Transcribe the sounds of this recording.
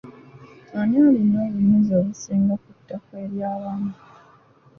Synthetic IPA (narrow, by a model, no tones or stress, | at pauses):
aniolinoːluɲunzioːβusiːŋɡakutːakweɾjaːβaːnu